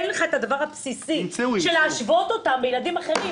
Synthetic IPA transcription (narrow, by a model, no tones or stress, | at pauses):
leχaet̪ad̪avaʁhapsisiʃeleaʃvo̞t̪o̞t̪ambejelad̪imaχeʁi